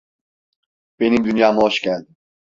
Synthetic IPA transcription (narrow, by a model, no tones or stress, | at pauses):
b̥e̞nimd̪ynjaːmuɦoʃcælʲd̪i